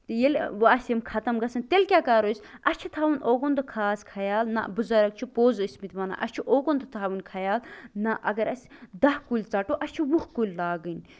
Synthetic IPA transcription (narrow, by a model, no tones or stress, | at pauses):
t̪ɨjelʲʋɐsʲɐmkʰɐt̪ɐmɡɐsɐnt̪elʲkʲaːkɐɾosʲɐsʲt͡ʃʰit̪ʰaːʋunʔoːɡond̪ɨkʰaːskʰɐjaːlnɐ̰bɨzɐɾɐk̚t͡ʃʰipoːzɨsʲmit̪mɐna̰ʔɐ̰sʲt͡ʃʰiʔoːɡond̪ɨt̪ʰaːʋunkʰɐjaːlnɐʔɐɡɐɾɐsʲd̪ɐhkulʲt͡sɐʈoːʔɐsʲt͡ʃʰiʋuhkulʲlaːɡɨnʲ